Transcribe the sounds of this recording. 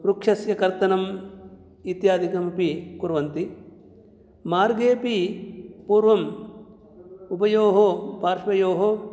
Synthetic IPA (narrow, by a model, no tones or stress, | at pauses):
ɾukʂɐsjɐkɐɾt̪ɐnɐm | it̪jaːd̪ʱikɐmɐpikuɾʋɐnt̪i | maːɾɡeːpipuːɾʋɐm | upɐjoːɦopaːɾʂʋɐjoːɦo